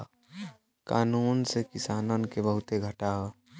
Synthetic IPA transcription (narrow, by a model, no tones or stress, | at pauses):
kaːnunsekisaːnənkebəɦut̪eɡʱəʈao